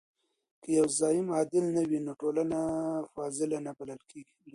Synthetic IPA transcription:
kəjawzɑjɪmɑd̪ɪlnawinoʈolanafɑzɪlanabalalkʰeɡi

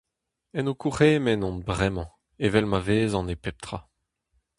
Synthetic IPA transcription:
ɛnokuʁeːmɛnɔ̃nbʁɛmɑ̃ | evɛlmaveːzɑ̃nepɛp̚t̪χʁa

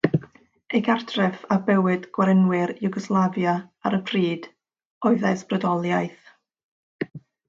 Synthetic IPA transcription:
eɡartʰrɛfabɛwɨdɡ̥waɾənwɪɾjʊɡɔslˠavjaaɾəbriːd̥ | ɔɨðasb̥rədɔlˠjajθ

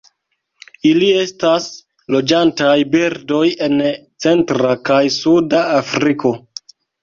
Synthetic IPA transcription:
ilie̞stas | lo̞d͡ʒantajbiɾdo̞je̞nt͡se̞ntɾakajsudaːfɾiko̞

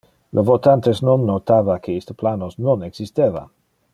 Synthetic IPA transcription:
lʔovot̪ant̪esnonːot̪aːvakʰeist̪əplanosnoneksist̪eːva̰

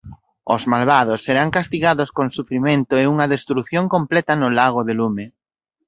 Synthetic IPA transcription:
o̰zmalβað̞ʊsːeɾaŋkast̪iɣaðoskoŋsufɾimẽnt̪ʊeuŋɐðest̪ɾuθjoŋkomplɛt̪ɐnʊlaɣ̞oðelume

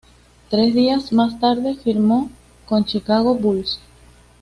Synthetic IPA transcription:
t̪ɾe̞zðiazmast̪aɾðe̞fiɾmo̞ | kont͡ʃikaɣ̞obuls

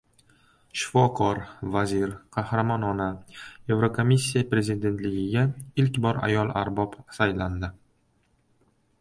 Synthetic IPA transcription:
ʃɪ̥fɒqʰɒɾvaziɾqʰɑhɾamɒnɒnae̞vɾokʰomisʲːijapɾe̞zid̪e̞nt̪lɪɡʲɪɡʲaɪlkʲbɒɾa̰jɒlˠa̰ɾbɒpsajland̪ɪ

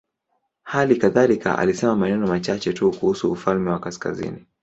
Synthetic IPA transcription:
halikaðalikʰa̰ʔa̰lisɛmamaɛnɛnɔmat͡ʃat͡ʃɛtukuhusuːfalmɛwakaska̰zḭni

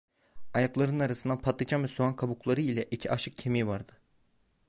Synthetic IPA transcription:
ajaklˠaɾɯnaɾasɯnd̪apʰat̪ˠɯd͡ʒʰamvɛsuankʰabuklˠaɾɯilʲɛʔicʰiʔaʃɯk̚cʰemijvaɾd̪ɯ

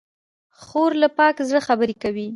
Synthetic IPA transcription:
xoɾlapɑkzɽəxabəɾekawi

